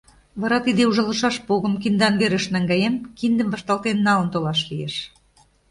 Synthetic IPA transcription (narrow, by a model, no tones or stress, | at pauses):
βɑɾɑt̪id̪euʒɤ̆lɤ̆ʃɑʃpoɣɤ̆mkind̪ɑnɡeɾɘ̆ʃnæŋɡɑjemkind̪ə̆mvɑʃt̪ɑlt̪enːɑlɤ̆nt̪olɑʃlijḛʃ